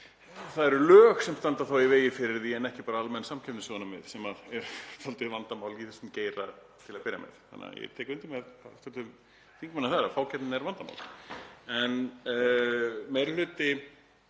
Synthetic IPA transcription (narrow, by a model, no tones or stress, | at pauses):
θaðɛɾʏlœːxsɛmst̪ant̪aθawiveːjɪfɪɾɪɾðiɛnɛhcɪpaːɾaalmɛnsamcʰɛpnɪsɔnamɪ̰ðsɛmaðɛɾ̥t̪ʰalt̪ɪðvant̪amaːwliθɛsʏmceːjɾa | t̪ʰɪlaðpɪɾja̰mɛ̰ðθa̰nːa̰jɛ̰t̪ʰɛːkʏnt̪imɛðat̪at̪ʰɪl | θiŋkmanːaθaɾafaːwcʰɛp̪t̪nɛɾvant̪ama̰wlɛn | mejɾlʏːt̪ɪ